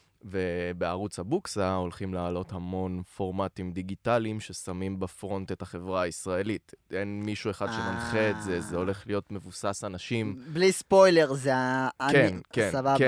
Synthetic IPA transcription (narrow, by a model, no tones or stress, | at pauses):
vebeaʁut͡shabuksao̞lχimlaːlo̞thamo̞nfo̞ʁmatimd̪iɡitalimʃe̞samimbafʁo̞nte̞thaχe̞vʁaaisʁae̞litʔenmiʃue̞χadʃemanχeːtzezeo̞le̞χlijo̞tme̞vusasanaʃimblispo̞jleʁzeakenkenabak